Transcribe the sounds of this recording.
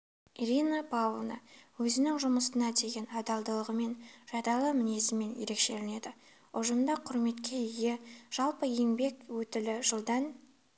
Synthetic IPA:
iɾʲinapʰavlˠnɑ̰wɵzɪnɪŋʒʊməsənɑd̪e̞ɡʲe̞nɑd̪ɑlˠd̪əlˠəʁəme̞nʒ̥ɑd̪ɑlˠəmɪne̞sɪme̞nje̞ɾe̞kʃe̞lɪne̞d̪ɪ | ʊʒəmd̪ɑqʰʊɾme̞t̪kʲe̞ɪje̞ʒ̥ɑlˠpəjeŋbe̞kwɵt̪ɪlɪʒəlˠd̪ɑn

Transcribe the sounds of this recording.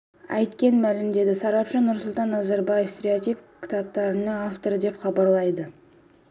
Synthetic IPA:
ɑ̰jt̪kʲe̞nmælɪmd̪e̞d̪ɪsɑɾɑpʃənʊɾsʊlˠt̪ɑnːɑzaɾbaje̞fst̪ʲeɾʲeot̪ipkʲʰɪ̥t̪ɑp̚t̪ɑɾənəŋaft̪o̞ɾəd̪e̞pχɑbɑɾlˠɑjd̪ə

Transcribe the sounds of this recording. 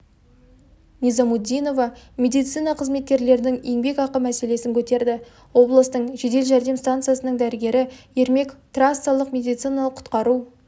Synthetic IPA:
nizamud̪ʲijno̞vɑmʲe̞d̪ijt̪sɨjnɑqʰəzme̞t̪̚kʲe̞ɾle̞ɾɪnɪŋe̞ŋbe̞kɑqəmæse̞le̞sɪŋkʲʰɵt̪e̞ɾd̪ɪ | wo̞blˠəst̪əɴʒe̞d̪e̞lʒæɾd̪e̞mst̪ant̪sɨjasənəɴd̪æɾɪɡʲe̞ɾɪje̞ɾme̞kt̪rast̪alˠəqmʲe̞d̪ijt̪sɨjnɑlˠəqʰːʊ̥t̪qɑɾu

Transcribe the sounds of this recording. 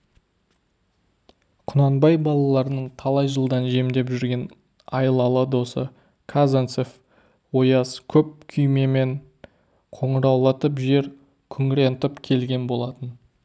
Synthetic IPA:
qʰʊnɑnbɑjbɑlˠɑlˠɑɾənəɴt̪ʰɑlˠɑjʒəlˠd̪ɑnʒe̞md̪e̞pʒʏɾɡʲe̞n | ɑjəlˠɑlˠəd̪o̞sə̰ | kʰazant̪sef | wo̞jɑskʲʰɵp̚kʲʰʏjme̞me̞ɴ | qʰo̞ɴəɾɑwlˠɑt̪əpʒe̞ɾ | kʲʰʏŋɾe̞nt̪əpkʲʰe̞lɡʲe̞nbo̞lˠɑt̪ən

